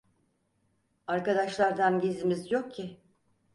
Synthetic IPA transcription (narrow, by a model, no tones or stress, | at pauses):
aɾkad̪aʃlˠaɾd̪anɟizimizjo̞k̚cʰːɪ